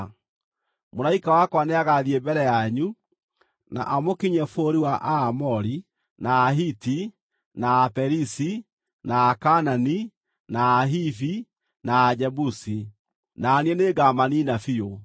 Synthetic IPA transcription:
moɾaikawakwaneaɣaðiɛbɛɾɛjaeɲu | na̰ʔamokiɲɛfoɾiwaʔaːmɔɾi | naːɦiti | naːpɛɾisi | naːkanani | naːɦifi | naːd͡ʒɛbusi | naːniɛneɡamaninafio

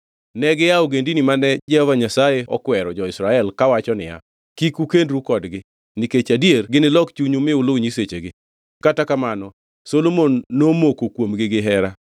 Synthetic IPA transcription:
nɛɡɪjaoɡendinimanɛd͡ʒɛhɔvaɲasajeɔ̰kwɛɾɔd͡ʒɔɪsɾaɛlkawat͡ʃɔnɪ̰ja̰ | kikukendɾukɔdɡɪ | niket͡ʃadierɡɪnɪlɔkt͡ʃuɲumɪʊloɲiset͡ʃeɡɪ | katakamanɔ | solomonːomokokwomɡɪɡɪɦɛɾa

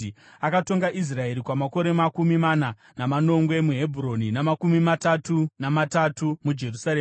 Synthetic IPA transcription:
akato̞ŋɡaʔis̬rae̞ɾikwamako̞ɾe̞makumimana | namano̞ŋɡwe̞muɦe̞bʱuro̞ninamakumimatatunamatatumud͡ʒe̞rusaɾeː

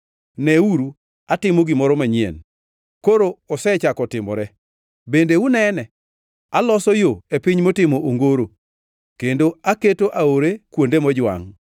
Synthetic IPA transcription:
nɛuɾu | atɪmoɡimɔɾɔmaɲɪɛ̰n | koɾoɔsɛt͡ʃakɔtɪmɔ̰ɾɛ | bendeunɛnɛ | alɔsɔjoepɪɲmotɪmoʔoŋɡoɾo | kendoaketoʔaoɾekwondemɔd͡ʒwa̰ŋ

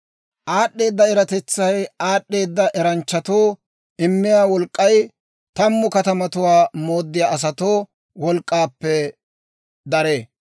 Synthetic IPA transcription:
ʔaːɗːe̞ːd̪ːɐɛɾɐt̪ɛt͡sːɐjaːɗːe̞ːd̪ːɐʔɛɾɐnt͡ʃːɐt̪o̞ː | ɪmːɪjaːwɔlkʼːɐj | t̪ɐmːʊkɐt̪ɐmɐt̪ʊwaːmo̞ːd̪ːɪjaːʔɐs̬ɐt̪oː | wɔlkʼːaːpːɛ | d̪ɐɾeː

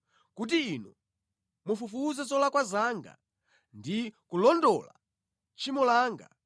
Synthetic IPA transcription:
kut̬iːnu | mufufuzɛzɔlakwazaŋɡa̰ | ndikulɔndɔla̰ | t͡ʃimulaːŋɡa̰

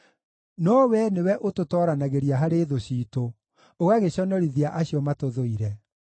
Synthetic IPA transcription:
nɔwɛnewɛʔototɔːɾanaɣeɾijaɦaɾeːðoɕiːto | oɣaɣeɕɔnɔɾiðiaʔaɕiɔmatoðoiɾɛ

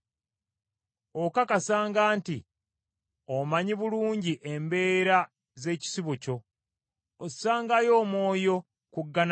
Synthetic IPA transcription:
okakasaːŋɡaːnti | omaɲiβuluːɲɟiʔembe̞ːɾa | ze̞ːci̥siβuco̞ | osaːŋɡajo̞ːmwo̞ːjo̞ | kuɡːan

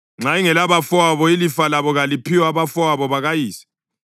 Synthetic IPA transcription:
ŋ͡ǀaiŋɛlaβafɔaβɔilifalaβɔɣalipʰiwaβafɔaβɔβaɣajiːsi̥

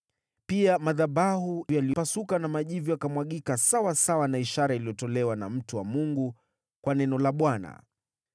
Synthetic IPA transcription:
piamaðabahujalipasukanamaʄivujakamwaɠikasawasawanaiʃaɾailijɔtɔlɛwanam̩tuwamuŋɡu | kwanɛnɔlaɓwana̰

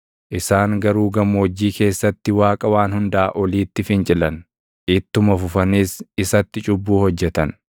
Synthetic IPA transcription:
ʔɪsaːŋɡɐɾuːɡɐmːod͡ʒːiːke̞ːsːɐt̪ːɪwaːkʼɐwaːnhʊnd̪ɐʔaʔɔliːt̪ːɪfɪnt͡ʃʼɪlɐn | ʔɪt̪ːʊmɐfʊfɐniːsɪsɐt̪ːɪt͡ʃʼʊbːuːhɔd͡ʒːɛt̪ɐn

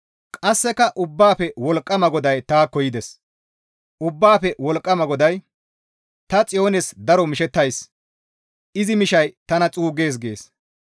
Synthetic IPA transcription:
kʼɐsːɛkɐʔʊbːaːpɛwɔlkʼːɐmɐɡɔd̪ɐjt̪aːkɔjɪd̪ɛs | ʔʊbːaːpɛwɔlkʼːɐmɐɡɔd̪ɐj | t̪ɐt͡sʼɪjo̞ːnɛsd̪ɐɾɔmɪʃɛt̪ːɐjs | ɪzɪmɪʃɐjt̪ɐnɐt͡sʼuːɡe̞ːs̬ɡe̞ːs

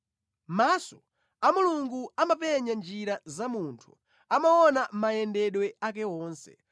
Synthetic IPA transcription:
maːsɔ | amuluŋɡuamapɛɲand͡ʒiɾazamuntʰu | amawɔnamajɛndɛɗwɛak̬ɛɔːnsɛ̥̰

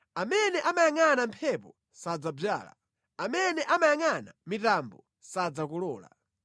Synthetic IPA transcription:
amɛnɛʔamajaŋanampʰɛpɔ | sad͡zab͡ʐa̰ːla̰ | amɛnɛʔamajaŋana̰mitambɔ | sad͡zakulɔːla̰

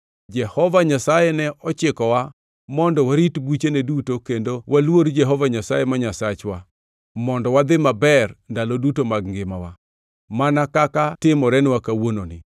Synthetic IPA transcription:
d͡ʒɛhɔvaɲasajɛnɛʔɔt͡ʃɪkɔwa | mɔndɔwaɾitbwit͡ʃenedutokendowʔalwoɾd͡ʒɛɦɔvaɲasajemaɲasat͡ʃwa | mɔndɔwad̪ɪmabɛrndalodutomaɡŋɡɪmawa | manakakatɪmɔɾɛnwakawononɪ̰

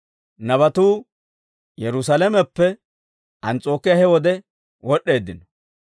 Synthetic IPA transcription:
nɐβɐt̪uː | jɛɾʊsɐlɐmɛpːɛ | ʔɐnt͡sʼo̞ːkːɪjɐhɛwɔd̪ɛ | wɔɗːe̞ːd̪ɪnɔ

